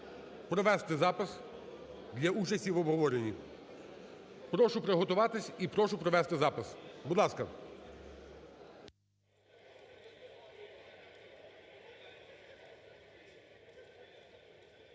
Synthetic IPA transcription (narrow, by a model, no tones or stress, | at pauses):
pɾɔʋɛst̪ɪzɑpɪs | d̪lʲɐut͡ʃɐsʲtʲiʋɔbɦɔʋɔɾenʲːi | pɾɔʃʊpɾeɦɔt̪ʊʋɑt̪ɪsʲipɾɔʃʊpɾɔʋɛst̪ɪzɑpɪsbʊd̪lˠɑskɐ